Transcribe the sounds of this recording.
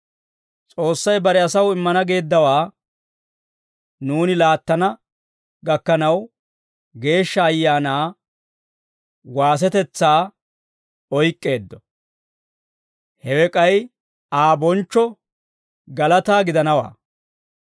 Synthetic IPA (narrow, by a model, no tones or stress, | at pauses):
t͡sʼo̞ːsːɐjbɐɾɛɐsɐwɪmːɐnɐɡe̞ːd̪ːɐwaː | nuːnɪlaːt̪ːɐnɐ | ɡɐkːɐnɐw | ɡe̞ːʃːɐːjːaːnaː | waːs̬ɛt̪ɛt͡sːaː | ɔjkʼːe̞ːd̪ːɔ | hɛwɛkʼɐj | aːbɔnt͡ʃːɔ | ɡɐlɐt̪aːɡɪd̪ɐnɐwa̰ː